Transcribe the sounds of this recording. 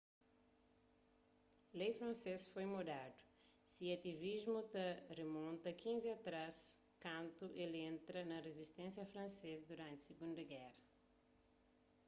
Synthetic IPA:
lejfɾɐ̃nsesfojmod̪ad̪ʊ̥ | siɐt̪ivizmut̪ɐremõnt̪ɐkʰĩnziat̪ɾaskãnt̪uʔelẽnt̪ɾɐnɐrezist̪ẽnsjɐfɾɐ̃nsezɐd̪uɾãnt̪ɪ̥seɡũnd̪ɐɡɛrɐ

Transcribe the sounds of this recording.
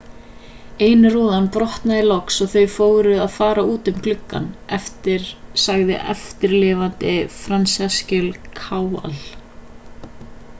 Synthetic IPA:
eːjnɪruːðanpɾɔht̪naðɪlɔksɔɣθœɥfoːwɾʏðaðfaːɾauːt̪ʏmkʰlʏkːa̰nɛft̪ɪɾ̥saɣðɪ̰ʔɛ̰ft̪ɪɾlɪːvant̪ɪfɾansɛscʏlkʰaːwa̰l

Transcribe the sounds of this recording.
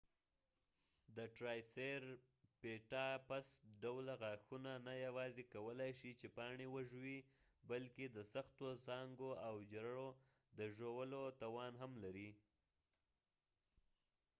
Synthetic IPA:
d̪əʈɾɑjseɾ | peʈɑpasɖawlaɣaxunanajawɑzekawəlajʃit͡ʃepɑɳewəʒwi | balked̪əsaxt̪ozɑŋɡoawd͡ʒɾaɽo | d̪əʒowəlot̪ɑwɑnɦamlaɾi

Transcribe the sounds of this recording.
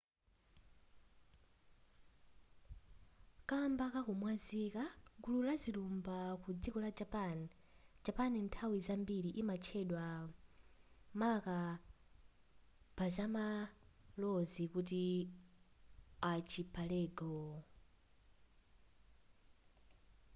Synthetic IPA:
kambakakumwazikaɡululaziɾumbakud͡zikɔlad͡ʒapani | d͡ʒapanintʰawizambiɾiʔimat͡ʃʰɛɗwa | maka | pazamalɔzikut̬i | at͡ʃʰipʰalɛːɡɔ

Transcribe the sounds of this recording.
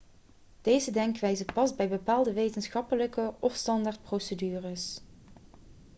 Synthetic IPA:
d̥ejzədɛŋkʋɛjzəpɑzbɛjbəpaːlˠdəʋejtənsχɑpələkəɔfstɑndaɹt̚prowsədyːrəs

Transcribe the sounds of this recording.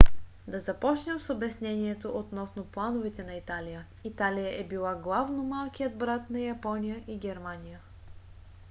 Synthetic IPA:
d̪ɐzɐpɔt͡ʃnʲəmsobɛsnɛniɛt̪oʔot̪nɔsnoplˠanovɛt̪ɛnɐit̪alʲijə | it̪alʲijəʔɛbilˠaɡlˠavnomalˠkijəd̪̚bɾat̪nɐjɐpɔnijəʔiɡʲɛɾmanʲijə

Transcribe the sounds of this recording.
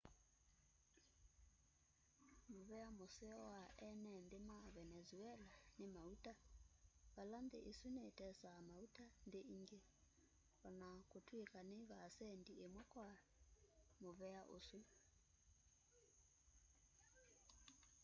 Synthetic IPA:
mʊβɛamosɛɔaʔɛnɛndɪmaβɛnɛzuɛlanɪmautʼa | βaland̪ḛʔesunetʼɛsamautʼandeʔiŋɡe | ɔnakʼotʰuekʼanɪβaːsɛndiemwɔkʼwa | mʊβɛaʔosu

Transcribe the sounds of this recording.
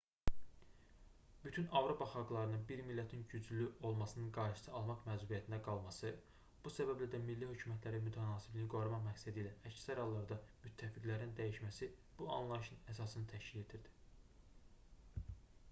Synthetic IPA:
b̥yt̪ʰynɑvɾo̞pʰɑχɑɡlˠɑɾɯnɯnbiɾmilːæt̪ʰinɟyd͡ʒlyo̞lˠmɑsɯnɯnɡɑɾʃɯ̥sɯɑlˠmɑχmæzubiæt̪ʰind̪æɡɑlˠmɑsɯ | b̥usæbæblæd̪æmilːihø̞cʰymæt̪ʰlæɾimyt̪ʰænɑːsiblinɡo̞ɾumɑχmæcsæd̪iːlæʔæcsæɾhɑlˠːɑɾd̪ɑmyt̪ʰːæficlæɾind̪æjiʃmæsib̥uɑ̰nlˠɑjʃɯnæsɑsɯnɯt̪ʰæʃcile̞d̪iɾd̪i̥

